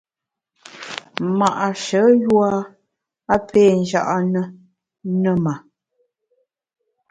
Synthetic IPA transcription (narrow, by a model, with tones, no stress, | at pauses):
ma˨ʔa˨ʃə˨˦jwa˦ | a˦pʰe˦˨n˦d͡ʒa˦ʔa˦nə˦ | nə˦˨ma˨